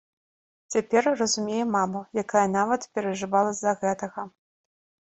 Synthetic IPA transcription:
t͡sʲapʲɛrrɐzumʲejɛmamɐjakajɐnavɐt̪pʲɛɾɐʐɨvalˠɐzɐɣɛt̪ɐɣɐ

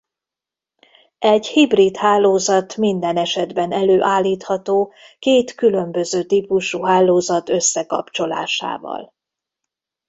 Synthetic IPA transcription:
ɛɟhibrit̪haːloːzɒt̪mind̪ɛnɛʃɛd̪bɛnɛløːʔaːlːiːt̪hɒt̪oːkeːt̪kylø̞mbø̞zøːt̪iːpuʃuɦaːlːoːzɒt̪øsːɛkɒ̰pt͡ʃo̞la̰ːʃa̰ːvɒ̰l

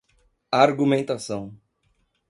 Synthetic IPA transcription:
aɾɡumẽnt̪asɐ̃w̃

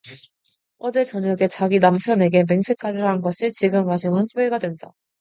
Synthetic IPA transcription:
ʌd͡ʑe̞t͡ɕʌɲjʌɡe̞t͡ɕaɡinampʰjʌne̞ɡe̞me̞ŋsʰe̞k͈ad͡ʑiɾɦanɡʌɕʰit͡ɕiɡɯmːaɕʰʌŋɯnçʰjoe̞ɡadwe̞nda

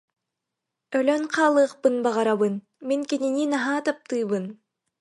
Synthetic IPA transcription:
ølønqʰɑːlˠɯːq̚pɯnbɑʁɑɾaβɯn | miŋkinininɑɦɑːt̪ɑp̚t̪ɯːβɯn

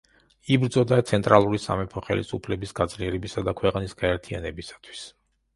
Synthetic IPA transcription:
ibɾd̪zɔd̪at̪sʰɛnt̪ʼɾʔalˠuɾisa̰mɛpʰɔχɛlḭsupʰlɛbisɡ̥ad̪zliɛɾɛbisad̪akʰwɛqʼnisɡ̥aɛɾt̪ʰianɛbisḁt̪ʰwi̥s

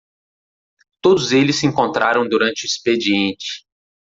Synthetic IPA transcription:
t̪od̪ʊzelɪsːɪẽŋkõnt̪ɾʔaɾɐ̃w̃d̪uɾɐ̃nt͡ʃɪuisped͡ʒiẽnt͡ʃɪ̥

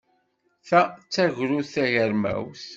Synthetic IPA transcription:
θæt͡sːæʝɾuθθæʝəɾmæ̰wθ

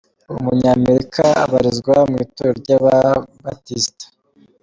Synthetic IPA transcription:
umuɲaːme̞ɾikʰaa̰βaɾizɡwamŋiːtoɾɾɟaβabatistḁ

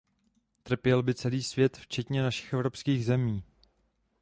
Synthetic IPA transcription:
t̪r̩pjɛlbɪt͡sɛliːsvjɛt̪ft͡ʃɛt̪ɲɛnaʃɪ̥xʔɛvɾopskiːɣzɛmiː

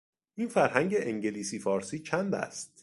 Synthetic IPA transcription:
ʔiːnfæɾhæŋɟeʔeŋɟeliːsiːfɒːɾsiːt͡ʃʰænd̪æ̰st̪̚

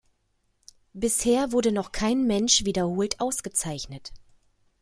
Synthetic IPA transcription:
b̥ɪsheːɐvʊɐdənɔχkʰaɪnmɛnʃv̥iːdɐhoːltʔaʊsɡ̥ət͡saɪçnət

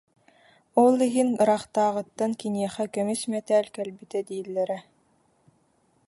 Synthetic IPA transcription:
olˠiɦiŋɾɑχt̪aːʁɤ̆t̪ːankiniɛχækœmysmɛt̪æːlkɛlbit̪ɛd̪iːlːɛɾɛ

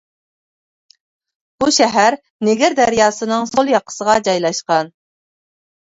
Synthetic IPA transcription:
b̥uʃɛɦæɾ | nɪɡʲɪɾd̪æɾjɑːsɨnɨŋsolˠjɑqʰə̥səʁɑd͡ʒɑjlˠɑʃqɑn

